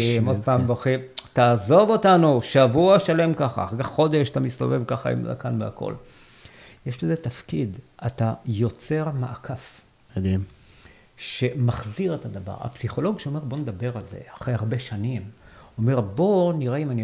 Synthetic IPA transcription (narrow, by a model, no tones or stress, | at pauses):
mod̪̚paːmvoχitaːzo̞vo̞tanuʃavuaʃale̞mkaχa̰a̰χakaχːo̞d̪e̞ʃatamist̪o̞̰ve̞vkaχa̰ḭmza̰kanvea̰ko̞̰l | jeʃlezet̪afkid̪atajo̞t͡se̞ʁmaʔakʰaf | ed̪im | ʃe̞maχziʁet̪ad̪ava̰ʁa̰psiχo̞lo̞ɡʃeo̞me̞ʁbo̞ned̪abe̞ʁalze̞̰aχʁehaʁbeʃanimome̞ʁbo̞niʁaimani